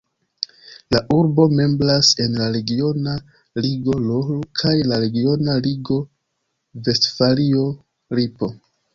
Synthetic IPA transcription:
laʔuɾbo̞me̞mblase̞nlaɾe̞ɡio̞na | liɡo̞lolkʰajlaɾe̞ɡio̞naliɡo̞ | ve̞stfalio̞ | ɾipo̞

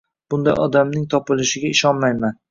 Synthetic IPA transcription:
b̥ʊnd̪ajɒ̰d̪amnɪŋt̪ʰɒpɪlɪʃɪɡʲaɪʃɒnmajman

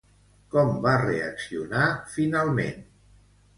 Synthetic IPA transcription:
kɔmbareəksiunafinalˠmḛn

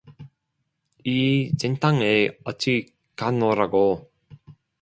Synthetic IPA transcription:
it͡ɕent̪ʰaŋeʌt͡ɕʰi | kanoɾaɡo

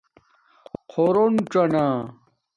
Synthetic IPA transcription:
qʰoɾonʈ͡ʂɐna

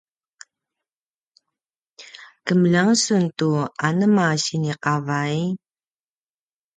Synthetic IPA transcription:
kəməlaŋsuntuanəmaɕiniqavaj

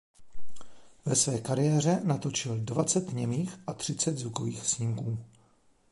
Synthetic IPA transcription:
vɛsvɛːkaɾɪjɛːr̝ɛnat̪o̞t͡ʃɪldvat͡sɛt̪ɲɛmiːxʔat̪r̝̥ɪt͡sɛd̪zukoviːxsɲɪmkuː

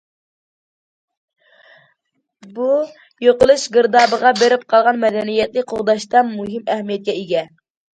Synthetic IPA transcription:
bu | joqʊlˠɨʃɡɨɾd̪ɑːbəʁɑbeɾɪp̚qʰɑlˠʁɑnmɛd̪ɛnijɛt̪lɪkʲqʰoʁd̪ɑʃt̪ɑnmuɦɪmɛhmijɛt̪̚kʲɛeɡʲɛ

